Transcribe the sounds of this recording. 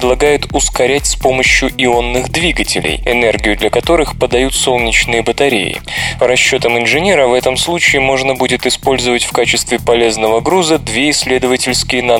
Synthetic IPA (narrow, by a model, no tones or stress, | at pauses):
d̪lˠɐɡajʊt̪ʊskɐɾʲætʲspo̞məɕjʊʔɪo̞nːɨɣd̪vʲiɡətʲɪ̰lʲɪ̰jɪ̰nɛrɡʲɪjʊd̪lʲɐkɐt̪o̞ɾɨxpəd̪ɐjut̪so̞lˠnʲɪt͡ɕnɨjəbət̪ɐɾʲḛjɪ̰pəɾɐɕːo̞t̪əmɪnʐɨnʲe̞ɾəvɛt̪əmslˠut͡ɕɪːmo̞ʐnəbudʲɪt̪ɨspo̞lʲzəvətʲfkat͡ɕɪst̪vʲɪpɐlʲe̞znəvəɡɾuzəd̪vʲeɪsʲːlʲe̞d̪əvətʲɪlʲskʲɪjənɐ